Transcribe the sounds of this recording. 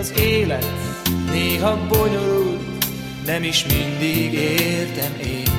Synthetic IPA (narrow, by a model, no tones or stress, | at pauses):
ɒzeːlɛt̪neːɦɒboɲo̞ɾul | nɛmiʃmind̪iɡeːrt̪ɛmeːn